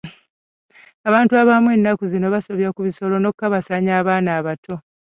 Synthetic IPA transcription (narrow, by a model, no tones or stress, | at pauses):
aβaːntuaβamwe̞nːakuzino̞βasoβjakuβiso̞lo̞no̞kːaβasaɲaːβaːnaːβatʰo̞